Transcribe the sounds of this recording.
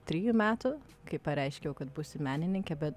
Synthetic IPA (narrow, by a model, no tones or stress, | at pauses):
t̪ʲɾʲiːjumʲæːt̪ʊ | kɐɪpɐɾʲɛɪʃʲkʲɛjɛʊkɐt̪buːsʲɪmʲæːnʲɪnʲɪŋʲkʲɛbʲɛt̪